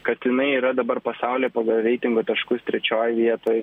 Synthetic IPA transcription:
kɐt̪jɪnɐɪiːɾɐd̪ɐbɐɾpɐsɑʊlʲeːpɑɡɐlˠɾʲɛɪt̪ʲɪŋɡoːt̪ʲɐʃkʊst̪ʲɾʲɛt͡ʃʲoːjʋʲiɛt̪oːj

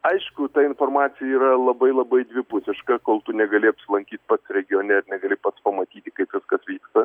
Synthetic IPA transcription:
ɐɪʃkʊt̪ɐɪnfoːrmɑːt̪sʲɪjɛiːɾɐlˠɐbɐɪlˠɐbɐɪdʲʋʲɪpʊsʲɪʃkɐkoːlˠt̪ʊnʲɛɡɐlʲɪɐpʲsʲɪlˠɐŋʲkʲiːt̪ʲpɐt̪sɾʲɛɡʲɪjoːnʲɛɪɾnʲɛɡɐlʲɪpɐt̪spɐmɐt̪ʲiːt̪ʲɪkɐɪpʋʲɪskɐsʋʲiːkst̪ɐ

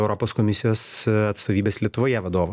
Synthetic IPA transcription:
ɛʊɾopoːskomʲɪsʲɪjoːsɐt̪st̪oːʋʲiːbʲeːslʲiɛt̪ʊʋoːjɛʋɐd̪oːʋo

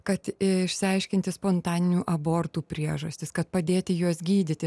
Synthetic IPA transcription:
kɐt̪ɪɪʃʲsʲɪɐɪʃʲkʲɪnʲt̪ʲɪspont̪ɑːnʲɪnʲuːʔɐboːrt̪uːpʲɾʲiɛʒɐsʲt̪ʲɪskɐt̪pɐd̪ʲeːt̪ʲɪjuɔsɡʲiːd̪ʲɪt̪ʲɪ

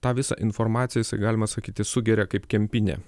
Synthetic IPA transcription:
t̪ɑːʋʲɪsɑ̰ːʔɪnfɔɾmɑːt̪sʲɪjɛjɪsɐɪɡɑːlʲɪmɐsɐkʲiːt̪ʲɪsʊɡʲɛɾʲɛkɐɪpkʲɛmʲpʲɪnʲɛ̰ː

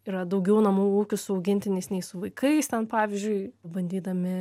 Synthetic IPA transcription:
iːɾɐd̪ɐʊɡʲɛʊnɐmuːuːkʲʊsʊɐʊɡʲɪnʲt̪ʲɪnʲɛɪsnʲɛɪsʊʋɐɪkʰɐɪst̪ʲɛnpɑːʋʲɪzʲd͡ʒʲʊɪbɐnʲd̪ʲiːd̪ɐmʲɪ

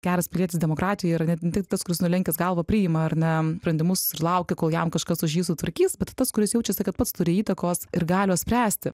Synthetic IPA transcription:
ɡ̥ʲæːɾɐspʲɪlʲiɛt̪ʲɪsd̪ʲɛmoːkɾɑːt̪ʲɪjoɪɾɐnʲɛnʲɛt̪ʲɪkt̪ɪt̪ɐskʊɾʲɪsnʊlʲɛŋʲkʲɛsɡɐlˠʋɐpʲɾʲɪɪmɐɐrnʲɛspɾʲɛnd̪ʲɪmʊsɪrlˠɐʊkʲɛkoːlˠjɛmkɐʃkɐsʊʃjiːsʊt̪ʋɐɾʲkʲiːsbʲɛt̪t̪ɐskʊɾʲɪsjɛʊt͡ʃʲɛsʲɛkɐt̪̚pɐt̪st̪ʊɾʲɪiːt̪ɐkoːsɪɾɡɑːlʲɪoːsʲpʲɾʲæːsʲt̪ʲɪ

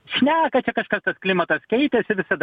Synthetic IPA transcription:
ʃʲnʲæːkɐt͡ʃʲɛkɐʃkɐst̪ɐsklʲɪmɐt̪ɐskʲɛɪt̪ʲɛsɪʋʲɪsɐd̪ɐ

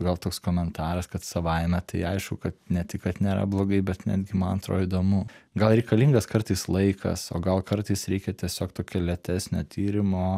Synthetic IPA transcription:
ɡɐlˠt̪oːkskoːmʲɛnt̪ɑːɾɐskɐt̪sɐʋɐɪmʲɛt̪ɐɪɐɪʃkʊkɐt̪nʲɛt̪ʲɪkkɐt̪nʲeːɾɐ̰blˠoːɡɐɪbʲɛt̪nʲæ̰d̪ʲɡʲɪmɐnɐnt̪ɾo̰ːid̪oːmuɡɐlˠɾʲɛɪkɐlʲiŋɡɐskɐrt̪ɐɪslˠɐɪkʰɐ̰soːɡɐlˠkɐɾt̪ɐɪsɾʲɛɪkʲɛt̪ʲiɛsʲoːkt̪oːkʲɛːlʲɛt̪ʲæsʲnʲoːt̪ʲiːɾʲɪmoː

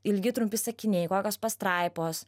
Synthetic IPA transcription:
ɪlʲɡʲɪt̪ɾʊmʲpʲɪsɐkʲɪnʲɛɪkoːkʲoːspɐst̪ɾɐɪpoːs

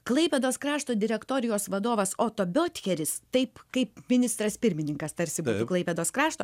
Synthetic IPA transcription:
klˠɐɪpʲɛd̪oːskɾɑːʃt̪oːd̪ʲɪɾʲɛkt̪oːɾʲɪjoːsʋɐd̪oːʋɐsoːt̪oːbʲoːt̪ʲkʲɛɾʲɪst̪ɐɪpkɐɪpmʲɪnʲɪst̪ɾɐspʲɪɾʲmʲɪnʲɪŋkɐst̪ɐɾʲsʲɪbuːuklˠɐɪpʲɛd̪oːskɾɑːʃt̪oː

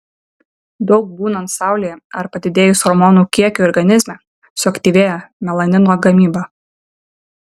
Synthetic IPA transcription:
d̪ɒʊk̚buːnɐnt̪sɑˑʊlʲeːjɛɐɾpɐd̪ʲɪd̪ʲeːjʊsɔɾmɔnuːkʲiɛkʲuːɔɾʲɡɐnʲɪzʲmʲɛ | sʊɐkt̪ʲiːʋʲeːjɛmʲɛlˠɐnʲɪnoːɡɐmʲiːbɑ

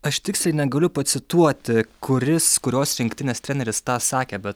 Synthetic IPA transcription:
ɐʃt̪ʲɪksʲlʲɛɪnʲɛɡɐlʲʊpɐt̪sʲɪt̪uɔt̪ʲɪkʰʊɾʲɪskʊɾʲoːsɾʲɪŋkt̪ʲɪnʲeːst̪ʲɾʲɛnʲɛɾʲɪst̪ɑːsɑːkʲeːbʲɛt̪̚

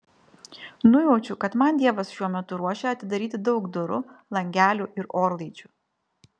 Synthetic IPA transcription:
nʊjɛʊt͡ʃʲʊkɐt̪mɐnd̪ʲiɛʋɐsʃʲuɔmʲɛt̪ʊɾuɔʃʲeɐt̪ʲɪd̪ɐɾʲiːt̪ʲɪd̪ɒʊkd̪ʊɾʊ̰lˠɐŋʲɡʲæːlʲuʔɪɾoːɾlˠiːˑt͡ʃʲu

